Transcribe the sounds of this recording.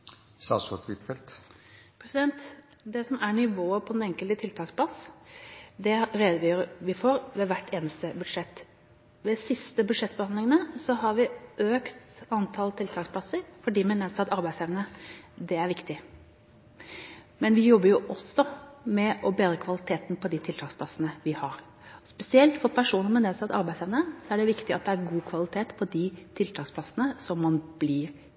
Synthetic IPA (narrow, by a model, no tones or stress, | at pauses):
sɑ̰ːsɔ̰t̪ʋɪt̪fɛlt̪pʰɾɛsɪd̪ɛnt̪ | d̪ɛsɔmæɾɳɪʋoːəpʰɔɛnɛŋkəlt̪ət̪ʰɪlt̪ʰɑːkspʰlɑs | d̪ɛɾeːd̪əʋyːɾəʋɪfoːɾʋɛʋæʈʰːeːnəst̪əbʉd̪ʂɛt̪ː | ʋɛsɪst̪əbʉd̪ʂɛt̪ːbəhɑnd̪ɪŋənəsɔɦɑɾʋɪʔøːkt̪ɑnt̪ʰɑlt̪ʰɪlt̪ʰɑːkspʰlɑsəɾfɔɖiːmɛnɛːsɑt̪ɑɾbæɪsɛʋnəd̪ɛæɾʋɪkt̪ɪ | mɛnʋɪjɔbːəɾjʊʔɔsːɔmɛʔɔbeːd̪ɾəkʰʋɑlɪt̪ʰeːt̪npʰɔd̪ɪt̪ʰɪlt̪ʰɑːkspʰlɑsənəʋɪhɑɾ | ɔspɛsɪɛlt̪fɔɾpʰæʂuːnəɾmɛnɛːsɑt̪ɑ̰ɾbæɪsɛːʋnəsɔæɖɛʋɪkt̪ɪɑt̪̚d̪ɛæɾɡuːkʰʋɑlɪt̪ʰeːt̪pʰɔd̪ɪt̪ʰɪlt̪ʰɑːksplɑsənəsɔmːɑnblɪːɾ